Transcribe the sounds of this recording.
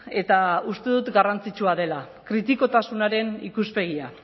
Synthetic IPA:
e̞t̪aust̪e̞ðut̪ɡarant͡sit͡ʃuaðe̞la | kɾit̪iko̞t̪asunaɾe̞nikuspe̞ɣ̞ia

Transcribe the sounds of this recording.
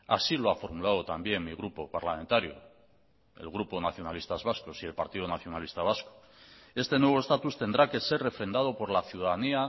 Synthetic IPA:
asilo̞afo̞ɾmulaðot̪ambje̞ŋmiɣ̞ɾupo̞paɾlame̞nt̪aɾjo̰ | e̞̰lɣ̞ɾupo̞naθjo̞nalist̪azβasko̞sie̞lpaɾt̪iðonaθjo̞nalist̪aβ̞asko̥ | e̞st̪e̞nweβoest̪at̪ust̪e̞nd̪ɾake̞se̞re̞fɾe̞nd̪að̞o̞po̞ɾlaθjuðaðania

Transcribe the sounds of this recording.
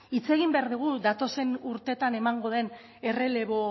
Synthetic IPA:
it͡se̞ɣimbe̞aɾðuɣ̞uðat̪o̞se̞nuɾt̪e̞t̪ane̞maŋɡo̞ð̞e̞n | e̞re̞le̞βo̞

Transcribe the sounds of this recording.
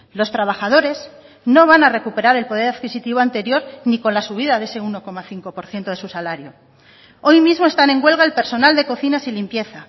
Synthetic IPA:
lo̞st̪ɾaβaxað̞o̞ɾe̞z | no̞β̞anare̞kupe̞ɾaɾe̞lpo̞ð̞e̞ɾaðkisit̪iβo̞ant̪e̞ɾjo̞ɾniko̞nlasuβ̞iðaðe̞se̞uno̞ko̞maθiŋko̞po̞ɾθjent̪o̞ðe̞susalaɾjo̞ | o̞jmizmo̞est̪anẽ̞ŋɡwe̞lɣ̞aelpe̞ɾso̞nald̪e̞ko̞θinasilimpje̞θa

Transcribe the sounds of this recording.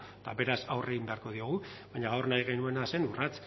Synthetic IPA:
t̪abe̞ɾasawre̞ɣimbe̞aɾko̞ð̞io̞ɣ̞uβaɲaɣawrnajɣ̞e̞nue̞nase̞nurat͡s

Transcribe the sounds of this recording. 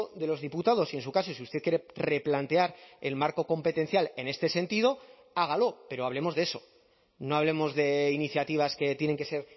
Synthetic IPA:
ðe̞lo̞zðiput̪aðo̞sie̞ns̬ukaso̞siust̪e̞θkjeɾere̞plant̪e̞aɾe̞lmaɾko̞ko̞mpe̞t̪e̞n̟θjale̞ne̞st̪e̞se̞nt̪iðo̞ | aɣ̞alo̞pe̞ɾo̞aβle̞mo̞zðeso̞̥ | no̞aβ̞le̞mo̞zðe̞iniθjat̪iβ̞aske̞t̪je̞ne̞ŋke̞se̞ɾ

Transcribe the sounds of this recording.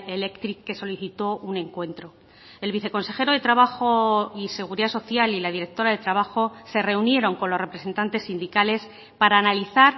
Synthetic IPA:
ele̞kt̪ɾikːe̞so̞liθit̪o̞ʔunẽ̞ŋkwe̞nt̪ɾo̞ | e̞lβiθe̞ko̞nse̞xe̞ɾo̞ðe̞t̪ɾaβaxo̞ise̞ɣ̞uɾiðaso̞θjalilað̞iɾe̞k̚t̪o̞ɾaðe̞t̪ɾaβ̞axo̞se̞re̞unje̞ɾo̞ŋko̞nlo̞sre̞pɾese̞nt̪ant̪e̞sːind̪ikale̞s | paɾaːnaliθaɾ

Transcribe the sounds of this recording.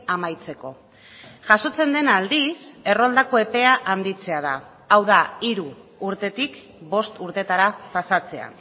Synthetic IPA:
amajt͡se̞ko̞ | ʝaso̞t͡se̞nd̪e̞nald̪ise̞ro̞ld̪ako̞e̞pe̞aʔand̪it͡se̞að̞aː | wðaiɾuːɾt̪e̞t̪ik | bo̞st̪uɾt̪e̞t̪aɾapasat͡se̞a̰

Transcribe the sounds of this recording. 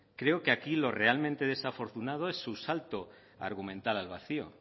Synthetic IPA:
kɾe̞okeakilo̞re̞almẽnt̪e̞ðe̞safo̞ɾt̪unað̞oesːusalt̪o | a̰ɾɣ̞umẽnt̪alalβ̞aθio̰

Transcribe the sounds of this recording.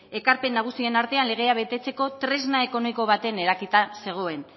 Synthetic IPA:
e̞kaɾpe̞nːaɣ̞usie̞naɾt̪e̞anle̞ɣ̞e̞aβe̞t̪e̞t͡se̞ko̞t̪ɾe̞znae̞ko̞no̞miko̞β̞at̪e̞ne̞ɾakit̪ase̞ɣ̞o̞e̞n

